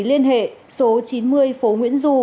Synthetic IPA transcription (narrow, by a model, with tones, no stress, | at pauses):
li˧ənɦḛ˧˨ | so˨˦t͡ɕi˨˦nmɨ˧əjfo˨˦ŋwḭ˧˥ənzu˧